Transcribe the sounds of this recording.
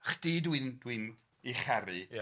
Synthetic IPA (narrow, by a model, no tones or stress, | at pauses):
χd̥idwindwin | iχɛɾi